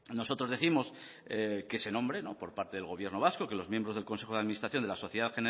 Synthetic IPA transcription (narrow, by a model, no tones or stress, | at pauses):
no̞so̞t̪ɾoðe̞θimo̞s | ekese̞nõ̞mbɾe̞no̰po̞ɾpaɾt̪e̞ðe̞lɣo̞βje̞ɾno̞β̞asko̞ke̞lo̞zmjembɾo̞zðelko̞nse̞xoðaðminist̪ɾaθjo̞nd̪laso̞θjeðaðxene